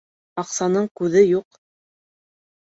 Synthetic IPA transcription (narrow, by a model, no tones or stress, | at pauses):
ɑqsɑnɤɴkʉðɘjuq